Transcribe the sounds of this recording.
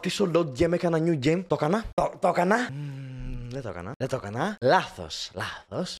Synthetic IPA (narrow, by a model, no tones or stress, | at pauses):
t̪isolod̪̚ɟemekɐnɐɲuɟemt̪okɐnɐt̪ot̪okɐnɐ | ðet̪o̰kɐ̰nɐðet̪okɐnɐlɐθo̰slɐθos